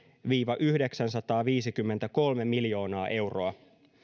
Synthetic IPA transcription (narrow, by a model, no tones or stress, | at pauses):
ʋiːʋɑʔyhde̞ksænsɑt̪ɑːʋiːsikymːe̞nt̪æko̞lme̞miljo̞ːnɑːʔe̞wro̞ɑ